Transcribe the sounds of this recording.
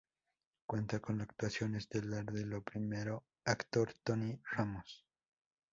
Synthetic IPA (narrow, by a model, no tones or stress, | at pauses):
kwe̞nt̪ako̞nlakt̪wasjo̞nezd̪elaɾðelopɾimeɾo | akt̪o̞ɾt̪oniramos